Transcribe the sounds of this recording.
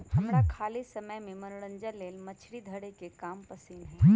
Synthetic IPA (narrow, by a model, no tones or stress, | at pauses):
hɐmɾakʰaːlisɐməjmẽmɐnʊɽə̃ɲd͡ʒəlːeːlmɐt͡ʃʰɽid̪ʱəɽekekaːmpɐsiːnɦɛ̃